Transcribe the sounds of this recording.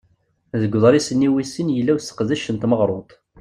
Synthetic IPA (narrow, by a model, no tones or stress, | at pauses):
ðəɡʷːðˤɾˤisənːiwisːənjəlːæwsə̥qðæʃənt̪məʁɾˤot̪ˤ